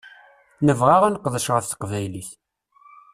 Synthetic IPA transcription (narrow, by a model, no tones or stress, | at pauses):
nəvʁaʁænqːðˤəʃʁəfθqvæjliθ